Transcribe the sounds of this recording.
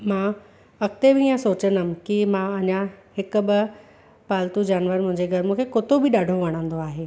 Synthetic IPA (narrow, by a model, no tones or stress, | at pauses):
mã | ɐkt̪ebɪiːə̃soːt͡ɕənəm̆kimãɐɲahɪkʊ̆ɓɐ | paːlt̪ud͡ʑaːnʋəɾmʊ̃ɦɪ̃ɲd͡ʑeɡʱɐɾmũːkʰekot̪obɪɗaːɖʱoʋɐɽ̃ə̃ːn̆d̪oaːɦeː